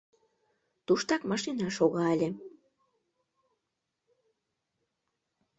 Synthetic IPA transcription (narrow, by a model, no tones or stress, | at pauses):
t̪uʃt̪ɑkmɑʃinɑʃoɣɑəlʲe